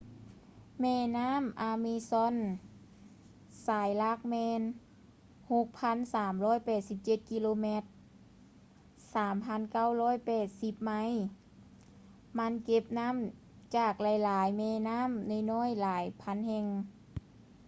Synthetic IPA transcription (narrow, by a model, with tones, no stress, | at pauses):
mɛː˧˩naː˧˥˨mʔaː˧mi˧sɔ˧˥˨n | saː˨˦jla˧˥˨k̚mɛː˧n | ho˧˦k̚pʰa˧˥˨nsaː˨˦mlɔː˧˥˨jpɛː˨˩t̪̚si˧˦p̚t͡ɕe˧˩t̪̚ki˧loː˧mɛ˧˥t̪̚ | saː˨˦mpʰa˧˥˨nka˧˥˩wlɔː˧˥˨jpɛː˨˩t̪̚si˧˦p̚ma˧˥˨j | ma˧˥nke˧p̚na˧˥˨m | t͡ɕaː˨˩k̚laː˨˦jlaː˨˦jmɛː˧˩naː˧˥˨mnɯ˧˨jnɔː˧˥˨jlaː˨˦jpʰa˧˥˨nhɛ˧ŋ